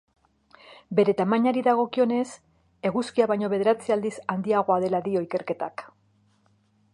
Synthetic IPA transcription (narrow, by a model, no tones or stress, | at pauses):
be̞ɾe̞t̪amaɲaɾiðaɣ̞o̞kio̞ne̞s | e̞ɣuskiaβajɲo̞βe̞ð̞e̞ɾat͡siald̪isand̪iaɣ̞o̞aðe̞laðio̞ike̞ɾke̞t̪ak